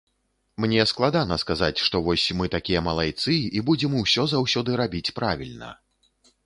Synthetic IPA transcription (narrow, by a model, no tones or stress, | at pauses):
mnʲɛsklˠad̪anɐskazat͡sʲʂt̪ɔvɔsʲmɨt̪akʲijɐmɐlˠajt̪sɨibud͡zʲɛmuwsʲɔzawsʲɔd̪ɨɾabʲit͡sʲpɾavʲilʲnɐ̰